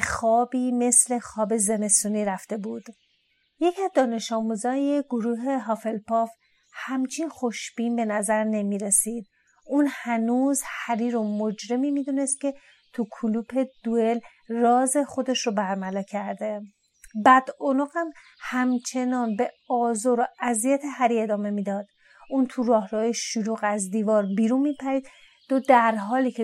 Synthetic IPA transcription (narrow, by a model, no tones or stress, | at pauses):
xɒːbiːme̞sle̞xɒːbe̞zeme̞st̪uːniːɾæft̪e̞buːd̪̥ | je̞cʰiæzd̪ɒːne̞ʃɒːmuːzɒːjeɡ̥oɾuːɦe̞ɦɒːfe̞lpɒf | hæmt͡ʃʰinxo̞ʃb̥iːnbe̞næzæɾne̞miːɾesiːd̪̥̚ | uːnhænuːzhæɾiːɾomod͡ʒɾe̞miːmid̪une̞st̪̚cʰe̞ | t̪ʰukʰuluːpʰe̞d̪̥uel | rɒːze̞xo̞d̪e̞ʃɾobæɾmælɒːcʰæɾd̪e̞ | bæd̪̥onoɣæm | hæmt͡ʃʰe̞nɒːnbe̞ɒːzoːɾoæzijæt̪ʰeɦæɾie̞d̪ɒːme̞miːd̪ɒːd̪̥ | ʔunt̪ʰuɾɒːhɾɒːjeʃuluːɣæzd̪iːvɒːɾbiːɾunmiːpʰæɾiːd̪ | d̪od̪æɾɦɒːliːcʰe